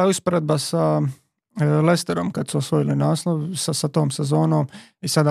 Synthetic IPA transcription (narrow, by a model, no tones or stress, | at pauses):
auspoɾe̞d̪̚basa | lest̪eɾomkad̪suosʋojilinaːsnoʋusasat̪oːmse̞zo̞ːnoːmisad̪a